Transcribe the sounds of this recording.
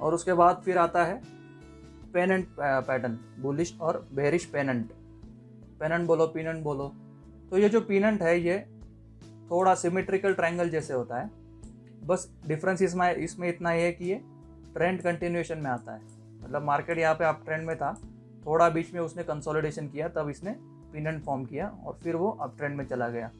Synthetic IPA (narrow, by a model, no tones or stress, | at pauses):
ɔ̰ːɾʊskebaːd̪fʰɪɾaːt̪aɦɛ | peːnə̃ɳʈ̚pɛːʈən | bʊlɪʃɔːɾbeːɾɪʃpeːnə̃ɳʈ | peːnə̃ɳʈ̚boːlopiːnə̃ɳʈboːlo | t̪ojed͡ʒoːpiːnə̃ɳʈɦɛje | t̪ʰoːɽasɪmeːʈɾɪkəlʈɾɛ̃ːŋɡəld͡ʒɛːseɦoːt̪aɦɛː | bɐs | ɖɪfɾə̃nsɪs̬maɪsmẽɪt̪naɦiɦɛkije | ʈɾẽːɳɖkɐ̃ɳʈɪnjeːʃənmẽaːt̪a̰ɦɛː | mɐt̪ləbmaːɾkeːʈjɐɦãpeɐp̚ʈɾẽːɳɖmẽt̪ʰa | t̪ʰoːɽabiːt͡ʃmẽʊsnẽkɐ̃nsɔːlɪɖeːʃənkijat̪ɐbɪsne | piːnə̃ɳʈfɔːɾmkijaɔ̰ːɾfɪɾʋoʔɐ̰p̚ʈɾẽːɳɖmẽt͡ʃɐlaɡɐja̰ː